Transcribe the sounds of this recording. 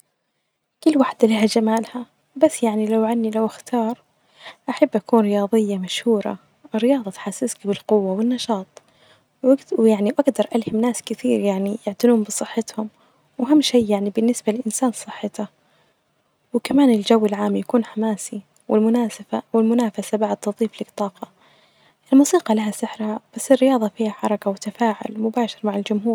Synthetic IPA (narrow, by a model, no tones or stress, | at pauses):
kʊlːwaħd̪aliːhad͡ʒamaːlha | basːjaʕnilawʕanːilawʔaxt̪ʰɑːɾˤ | ʔaħabːʔakuːnɾɪjɑːðˤɨjːamaʃhuːɾˤɑ̰ | ɪrːɪjɑːðˤɑt̪ħasːɪskbɪlqʊwːawɪnːɑʃɑːt̪ˤ | wjaʕniʔaɡd̪ɑɾˤʔalhɪmnaːskɪt̪iːɾjaʕnijɪʕt̪ɪluːmbɨsˤɨħːɪt̪hʊm | waɦamːʃejːaʕnibɪnːɪsbalɪlʔɪnsaːnsˤɨħːɪt̪a | wɪkamaːnɪld͡ʒawːɪlʕaːmːjakuːnħamaːsi | wʔɪlmʊnaːsafawɪlmʊnaːfasabaʕd̪̚t̪ʊðˤiːflɪkt̪ˤːɑːqɑ | ʔɪlmuːsiːqɑlaɦasɪħɾhab̥asːɪrːɪjɑːðˤɑfiːhaħɑɾˤɑkawɪt̪afaːʕʊ̰lmʊbaːʃɪɾmaʕɪld͡ʒʊmɦuːɾ